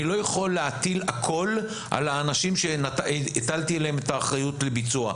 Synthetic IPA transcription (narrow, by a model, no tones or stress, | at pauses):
ilo̞jaχo̞lːeat̪ilakʰo̞l | ʔa̰laːnaʃimʃe̞naitalt̪ielehemetaːχʁajutlebit͡sua̰